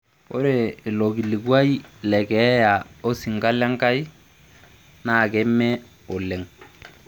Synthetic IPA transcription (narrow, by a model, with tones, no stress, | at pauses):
kʊ̰˦ɾe˨ɪ˨lo˨ɡi˨li˨ɡwa˦i˦lɛ˨kɛ˨˦ja˨o˦si˨ŋka˦la˦ŋka˦i˦ | na˦˨kɛ˨˦mːɛ˦ | ʊ˨lɛ˨ŋ